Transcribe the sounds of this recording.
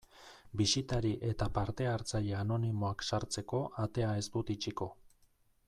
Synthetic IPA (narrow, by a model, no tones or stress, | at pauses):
bisit̪aɾiʔe̞t̪apaɾt̪e̞aɾt͡saʎeano̞nimo̞aksaɾt͡se̞ko̞ʔat̪e̞ae̞zt̪ut̪it͡ʃiko̞